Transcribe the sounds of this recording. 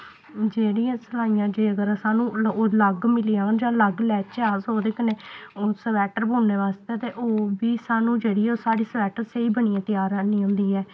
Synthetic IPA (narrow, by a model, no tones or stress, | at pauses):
d͡ʒeːɽiːãːsəlaːijãːd͡ʒeːəɡəɾsaːnũːoːləɡmɪliãːd͡ʒãːləɡlɛːt͡ʃaːzoːd̪eːkəneːoːsəʋɛːʈəɾbõːneːʋaːst̪ɛːt̪eːʔoːʋiːsaːnũːd͡ʒeːɽiːɛːoːsaːɽiːsəʋɛːʈəɾseiːbəɳiãːt̪ɪjaːɾaniːɦʊ̃ːnd̪iːɛː